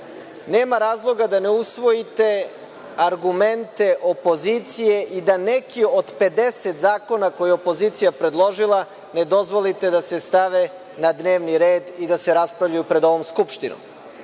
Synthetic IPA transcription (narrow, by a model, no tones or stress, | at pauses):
neːmaɾaːzlˠo̞ɡad̪aneusʋo̞it̪e̞ | aɾɡument̪e̞ʔo̞po̞zit̪sije̞ʔid̪anekio̞d̪pe̞d̪eset̪zaːko̞nako̞jɛopo̞zit̪sijapɾe̞d̪lˠo̞ʒilˠa | ne̞d̪o̞zʋo̞lit̪e̞d̪asest̪aʋe | nad̪neːʋniɾeːd̪id̪aseɾaspɾavʎujupɾe̞d̪o̞ʋo̞mskupʃt̪ino̰m